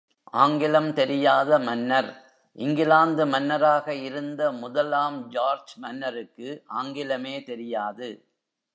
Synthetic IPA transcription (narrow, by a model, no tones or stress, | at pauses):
ʔaːŋɡɪlɐmt̪ɛɾɪjaːðɐmɐnːɐɾ | ʔɪŋɡɪlaːnd̪ɯmɐnːɐɾaːɣɐɪɾɯnd̪ɐmʊðɐlaːmd͡ʒaːɾd͡ʒmɐnːɐɾɯkːɯʔaːŋɡɪlɐmeːt̪ɛɾɪjaːðɯ